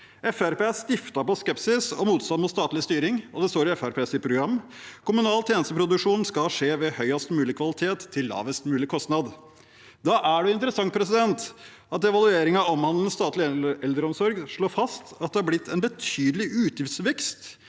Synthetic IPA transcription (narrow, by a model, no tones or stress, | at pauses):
ɛfæɾpeːst̪ɪft̪ɑpɔskɛpsɪsɔ̰muːt̪st̪ɑt̪mʊt̪st̪ɑːt̪lɪst̪yːɾɪŋɔd̪ɛst̪oːɾɪɛfæɾpʰeːsɪpʰɾʊɡɾɑmː | kʰʊmʉnɑːlt̪ʰjeːnəst̪əpʰɾʊd̪ʉkʂuːnn̩skɑʂeːʋɛhœʏɑst̪mʉːlɪkʰʋɑlɪt̪ʰeːt̪ʰːɪlːɑ̰ːʋəst̪mʉːlɪkʰɔst̪nɑd̪ | d̪ɑʔæɖɛɪnt̪əɾəsɑŋt̪̚pʰɾɛsɪd̪ɛnt̪ | ɑt̪ɛʋɑlʉeːɾɪŋɑɔmhɑnd̪ln̩st̪ɑːt̪lɪɛld̪ɾəɔmsɔɾɡʂɭoːɾfɑst̪ɑt̪d̪ɛhɑblɪt̪ʰːɛnbət̪ʰyːd̪əlɪʔʉːt̪jɪft̪sʋɛkst̪